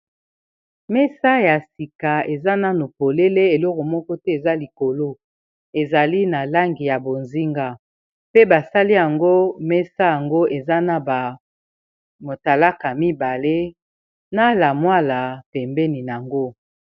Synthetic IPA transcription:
mɛ˦sa˦ja˨si˨ka˨e˨za˦na˨no˨po˨le˦le˦e˨lɔ˦kɔ˨mɔ˦kɔ˦tɛ˦e˨za˦li˨ko˨lo˦ | e˨za˨li˦na˨la˦ŋɡi˨ja˨bo˨nzi˦ŋɡa˦ | pe˦ba˨sa˦li˦ja˨ŋɡo˦mɛ˦sa˦ja˨ŋɡo˦ʔe˨za˦na˨ba˨ | mo˨ta˨la˦ka˨mi˦ba˨le˦ | na˦la˨mwa˦la˨tɛ˨mbɛ˦ni˨n˨a˨ŋɡo˦

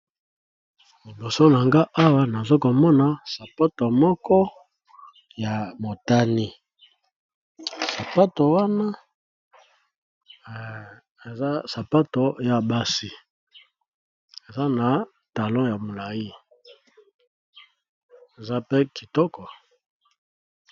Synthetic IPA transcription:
li˨bo˨so˦na˨ŋɡa˦ʔa˦wa˦na˨zo˦ko˨mɔ˦na˨sa˨pa˦to˨mɔ˦kɔ˦ | ja˨mo˨ta˦ni˦ | sa˨pa˦to˨wa˦na˦ | e˨za˦sa˨pa˦to˨ja˦ba˦si˦ | e˨za˦na˨ | ta˨lɔ̃˦ja˨mo˨la˨ji˦ | e˨za˦pe˦ki˨tɔ˦kɔ˨

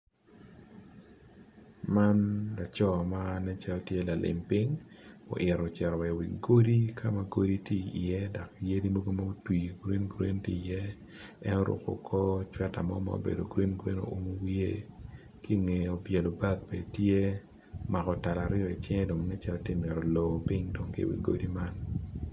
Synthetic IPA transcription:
ma˦nla˨t͡ʃɔ˦˨ma˦nɛ˦t͡ʃa˦tje˦la˨lʔɪ̰˨mpi˦ŋo̰˨ʔɪ˨ɾɔ˨t͡ʃɛ˨ɾɔ˨wɛ˨wi˨ɡo˦di˦kʰa˦ma˨ɡo˦di˦ti˦ḭ˨jɛ˦da˨kje˦di˦mo˦ɡo˦ma˦o˦twi˨ɡɾe˦nɡɾḛ˦nti˦˨jɛ˦ | ɛ˦no˦ɾʊ̰˨ko̰˨kʰɔ˦t͡ʃwɛ˦ta̰˨mɔ̰˦ma̰o̰˦bḛ˨do˨ɡɾwe˦nɡɾe˦no̰˨o˨mo˦wi˦e˦ | ki˦˨ŋe˨o˨bje˨lo˨ba˦ɡ̚pe˨tje˦ | ma˨kɔ˨ta˨la˨ɾɪjɔ˨i˨t͡ʃɛ˦ŋɛ˦do˨ŋnɛ˦t͡ʃa˦lɔ˦tɪ˦mɪ˨ɾo˨lo˨pi˦ŋdɔ˨ŋkḭ˨wḭ˨ɡo̰˦di˦ma˦n

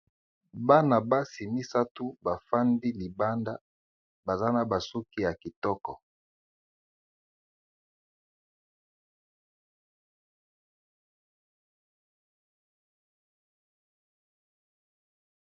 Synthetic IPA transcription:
ba˦na˨ba˦si˨mi˦sa˦tu˦ba˨fa˦ndi˦li˨ba˦nda˦ | ba˨za˦na˨ba˨su˦ki˦ja˨ki˨tɔ˦kɔ̰˨

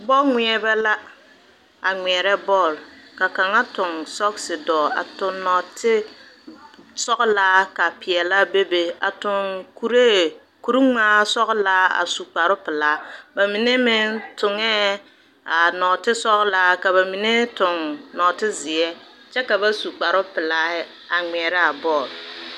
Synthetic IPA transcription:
bɔ˦lŋʷɪ˦ɛ˦bɛ˦la˦ | a˨ŋi˨ɛ˨ɾɛ˦bɔ˦˨lka˨ka˨ŋa˦tʊ˨ŋsɔ˦ksɪ˨dɔː˨a̰˨tʊ˨nɔ˨tɪ˦ | sɔ˦klaː˦ka˨pɪ˨ɛ˨la˦be˦be˨a̰˨tʊ˨ŋku˨ɾe˦ | ku˨ɾu˦ŋ͡maː˦sɔ˦ɣla˦a̰˨su˨k͡pa˨ɾʊ˦pɪ˨laː˦ba˨mi˨ne˦mɪ˦tʊ˨ŋɛ˦ | a˨nɔ˨tɪ˦sɔ˦ɣla˦ka˨ba˨mi˨ne˦tʊ˨ŋnɔ˨tɪ˦zɪ˨ɛ˦ | t͡ʃɛ˦ka˨ba˦su˨k͡pa˨ɾʊ˦pɪ˨la˦ | a˨ŋ͡mɛ˨ɾɪ˦a˨bɔ˦˨l

